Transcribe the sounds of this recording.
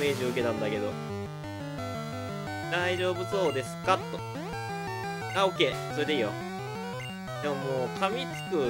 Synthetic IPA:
me̞ːʑioɯ̟ke̞nãnd̪ake̞d̪o̞̰ | d̪aiʑo̞ːbɯ̟so̞ːd̪e̞sɨ̥kat̪ːo̞ | aːo̞kːe̞ːso̞ɾed̪eiːjo̰ | d̪e̞mo̞moːkʰamʲit͡sɨ̥kɯ̟

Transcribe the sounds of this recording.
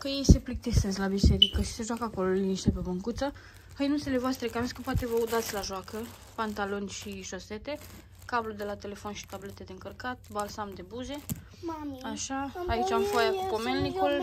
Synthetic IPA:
kəje̞jse̞plik̚t̪esezlabise̞ɾikəʃi̥se̞ʒwakəako̞lo̞liniʃt̪epebəŋkut̪sə | həjnunt̪sele̞voast̪ɾe̞kameskəpat̪e̞vəud̪at̪sʲlaʒoakə | pant̪alo̞nʲʃiʃose̞t̪e̞ | kablud̪e̞lat̪e̞le̞fo̞nʃi̥t̪able̞t̪e̞d̪e̞ɨŋkərkat̪̚balsamd̪e̞buze̞ | aʃaait͡ʃʲamfojakupo̞me̞lnikul

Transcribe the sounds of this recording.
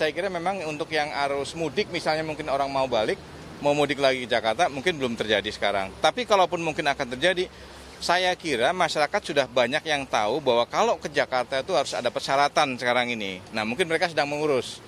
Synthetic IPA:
sajakiɾamemaŋunt̪ʊkjaŋaɾʊsmudɪk̚misalɲamuŋkɪnoɾaŋmaubalɪk̚ | maumudɪklaɡikəd͡ʒakart̪amuŋkɪnbəlʊmt̪ərd͡ʒadisə̥kaɾa̰ŋt̪apikalaupʊnmuŋkɪnakant̪ərd͡ʒadi | sajakiɾamaʃaɾakat̪sudahbaɲakjaŋt̪a̰ubaɦwakalokəd͡ʒakart̪ait̪uɦaɾʊsa̰dapərsaɾat̪ansəkaɾaŋinḭnahmuŋkɪnməɾekasədaŋməŋuɾʊs

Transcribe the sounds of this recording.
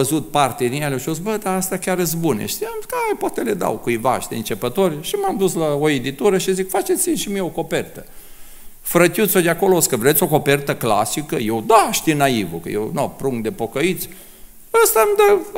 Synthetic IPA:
əzut̪̚part̪ed̪injeleoʃos̬bəd̪aast̪akʲaɾɨt̪s̬bunḛʃt̪iakaepwat̪eled̪a̰wkuiva̰ʃd̪eɨnt͡ʃepət̪o̞rʲʃimamd̪uslaoed̪it̪uɾəʃizikfat͡ʃet̪sinʃimieoko̞pert̪ə | fɾət̪ʲut̪sʲod̪eako̞looskəvɾet̪sʲo̞ko̞pert̪əkla̰sikəjewd̪aʃt̪inaivukə̰jḛwnopɾuŋkd̪epo̞kəit̪sʲ | əst̪amd̪ə

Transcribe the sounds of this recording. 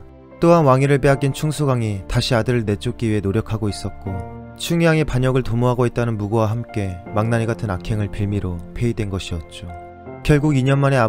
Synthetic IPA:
t͈oɦanwaŋiɾɯɭp͈eɦak̚k͈int͡ɕʰuŋsʰuɡaŋitaɕʰiadɯɾɯɭne̞t͡ɕ͈ʰok̚k͈iɥienoɾjʌkʰaɡois͈ʌt̚k͈o | t͡ɕʰuŋjaŋepaɲʌɡɯɭtomoɦaɡoit̚t͈anɯnmuɡowaɦamk͈e̞maŋnaɲiɡatʰɯnakʰe̞ŋɯɭpiɭmiɾopʰe̞idwe̞nɡʌɕʰiʌt̚t͡ɕ͈o | kjʌɭɡuɡiɲʌnmane̞a

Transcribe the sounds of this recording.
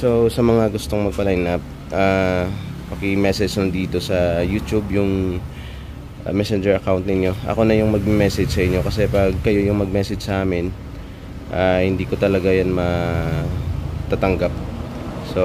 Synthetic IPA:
so̞sɐmɐŋaɡʊst̪oŋmɐɡ̚pɐlajnɐp̚ | ʔaː | pɐkɪmɛsɛd͡ʒnʊnd̪iːt̪o̞sɐjuːt̪jubjʊŋ | ʔmɛsɛnd͡ʒɛɹʔɐkawnt̪̚nɪnɲjo̞ʔɐ̰ko̞nɐjʊŋmɐɡ̚mɛmɛsɛd͡ʒsɐʔɪɲjo̞kɐsɛpɐɡ̚kɐjo̞jʊŋmɐɡ̚mɛsɛd͡ʒsɐʔaːmɪn | ʔahɪnd̪iːko̞t̪ɐlɐɡajanmɐ | t̪at̪ɐŋɡap̚so̞

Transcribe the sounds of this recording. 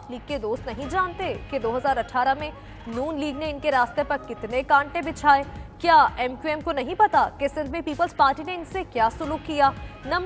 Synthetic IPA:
pliːɡ̚kːed̪oːst̪nɐɦĩd͡ʒaːnt̪eked̪oːɦɐzaːɾɐʈʰːaːɾamẽ | nuːnliːɡneɪnkeɾaːst̪epɐɾkɪt̪nekãːɳʈẽbɪt͡ʃʰaːeːkjaːɛːmkjuɛːmkonɐɦĩpɐt̪akesɪ̃nd̪ʱmẽpiːpəlzpaːɾʈineɪnsekjaːsʊluːkːijaːnɐm

